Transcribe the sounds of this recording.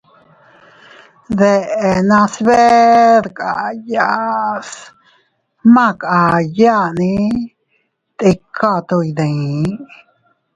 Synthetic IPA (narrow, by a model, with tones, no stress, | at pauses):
ðe˧ʔe˧nã˧sβe˦ɾkʼa˨ja˧s | mã˦˧ka˨ja˦nĩ˧˦ | t̪i˧kʰa˦˧t̪o˧jd̪ẽ˨˦